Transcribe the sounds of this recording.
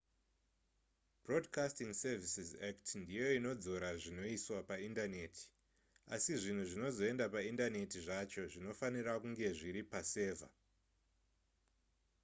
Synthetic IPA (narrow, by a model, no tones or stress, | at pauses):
b̥ro̞dkastiŋsevisizaktndijo̞ino̞d͡zo̞ɾaʐino̞iswapaindane̞ːtʰi̥ | a̰siʐin̤uʐino̞zo̞e̞ndapaindane̞tiʐat͡ʃo̞ʐino̞fanirakuŋɡe̞ʐiɾipase̞ːvʱa̰